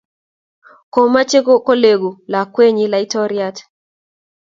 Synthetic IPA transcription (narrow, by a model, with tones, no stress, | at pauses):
kɔ˨ma˦t͡ʃe˦kɔ˦kɔ˦le˨ɡu˨la˨kwe˦ɲi˦la˨i˦tɔ˦ɾiat